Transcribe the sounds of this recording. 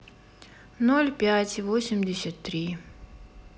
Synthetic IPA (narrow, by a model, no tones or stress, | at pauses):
nolʲpʲætʲivosʲɪmʲdʲɪsʲət̪ːɾʲi